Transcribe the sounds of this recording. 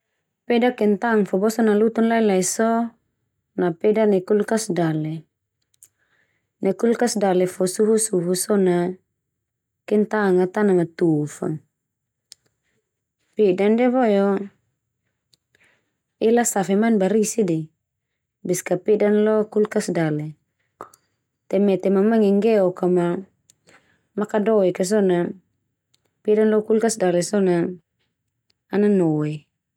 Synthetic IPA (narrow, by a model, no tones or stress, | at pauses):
pɛdakɛnt̪aŋfɔbɔsɔnalut̪unlailaisɔ | napɛdanɛkulkasdalɛ | nɛkulkasdalɛfɔsuɦusuɦusɔna | kɛnt̪aŋat̪anamat̪ufɔ̰n | pɛdandɛβɔjɔ | ilasafɛmanbaɾisidi | biskapidanlɔkulkasdalɛ | t̪ɛmɛt̪ɛmamaŋɛŋɡɛɔkama | makadɔɛkas̬ɔna | pidanlɔkulkasdalɛsɔna | nanɔɛ